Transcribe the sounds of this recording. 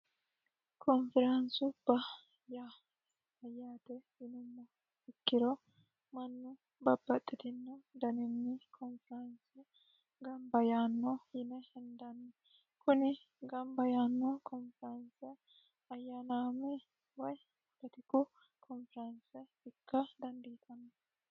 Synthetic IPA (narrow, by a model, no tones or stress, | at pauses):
kʰɔnfɪɾɐnsʊb̥ɐ | jaː | ɐjːaːt̪ɛhɪnʊmːɐ | ɪkːɪɾɔ | mɐnːʊ | bɐbːɐt̪ʼːɪt̪ɪnːɐd̪ɐnɪnːɪkʰɔnfɪɾɐnsɛ | ɡɐmbɐjaːnːɔhɪnɛhɛnd̪ɐnːɛ | kʊnɪ | ɡɐmbɐjaːnːɔkɔnfɛɾɐnsɛ | ɐjːanaːmɛ | wɔj | bɛt̪ɪkʊ | kʰɔnfɾɐnsɛ | ɪkːɐd̪ɐnd̪iːt̪ʰɐnːɐ